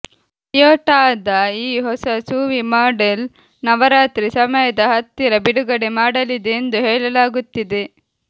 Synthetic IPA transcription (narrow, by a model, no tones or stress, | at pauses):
joːʈaːd̪ɐiːɦɔsɐsuːʋimaːɖel | nɐʋɐɾaːt̪ɾisɐmɐjɐd̪ɐɦɐt̪ːiɾɐbiɽuɡɐɽe̞maːɽɐlid̪eːnd̪uɦɛːɭɐlaːɡut̪ːid̪e̞